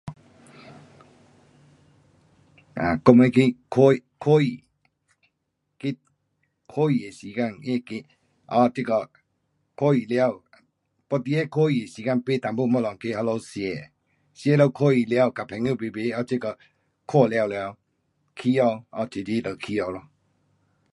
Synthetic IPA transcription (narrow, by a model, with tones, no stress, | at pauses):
a̰˨ko˧me˧˦˧ki˦kʰo˦˧kʰo˦i˨ | ki˦ | kʰo˦i˨e˨si˨ka˧˨ŋe˦˨ki˧ | ɔ˧˨ti˦kɔ˧˨ | kʰo˦i˨lja˧˨w | pɔ˧˨t̪i˧˦e˦˨kʰo˦i˨e˨si˨ka˥˨pe˦˨t̪a˨bu˦˨mɔ˦˨lɔ˨ŋkʰi˦˨ha˧lo˧˦si˧e˨ | si˧e˧˦˨lo˧˨kʰo˦˨i˨lja˧˨wka˨pʰɛ˨ŋju˦˨pi˧˨be˧˦ɔ˧˦ti˦kɔ˧˨ | kʰo˦˧˨la˧˨wlja˧w | kʰi˦ɔ˧wɔ˧˨tʰi˨di˦lə˨kʰi˦ɔ˧˨lɔ˧˨